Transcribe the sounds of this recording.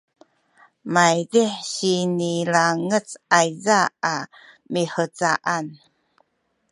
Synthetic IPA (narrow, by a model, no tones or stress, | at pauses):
majdiħɕinilaŋət͡sajzaa | miħət͡saʔan